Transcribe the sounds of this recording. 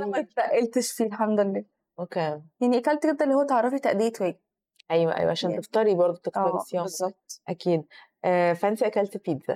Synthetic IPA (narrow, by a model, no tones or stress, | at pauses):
ʔænæmæt̪fæʔelt̪eʃfiːlħamd̪olːæː | ʔokeːjaʕniʔækælt̪ɡed̪ːælːihowːæt̪eʕɑɾˤːɑfit̪æʔd̪ejet̪wæːɡe | ʔæjwæ̰ʔæ̰jwæʕaʃæːnt̪eft̪ɑɾibɑɾˤd̪ˤot̪ek̪æɑfiæbezˤːɑb̚t̪ˤʔækiːd̪ | ʔæːfæʔent̪iʔækælt̪piːd̪zæ̰